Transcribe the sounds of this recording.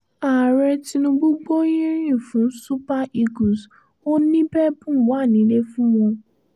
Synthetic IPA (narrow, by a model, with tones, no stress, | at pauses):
a˨ɾɛ˧ti˧nũ˧bu˦ɡ͡bo˦jĩ˦ɾĩ˦˨fũ˨˦n̩˦su˦pa˦ʔi˧ɡũ˨s | o˦nĩ˦bɛ˦bũ˦˨wa˦˨nĩ˨˦le˦fũ˦w̃ɔ̃˧